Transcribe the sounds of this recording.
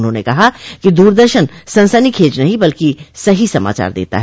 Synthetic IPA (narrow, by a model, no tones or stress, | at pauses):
ʊnɦõːnekɐɦakid̪uːɾd̪əɾʃənsɐ̃nsənikʰeːd͡ʒnɐɦĩbɐlkisɐɦisɐma̰ːt͡ʃa̰ːɾd̪ḛːt̪a̰ɦɛː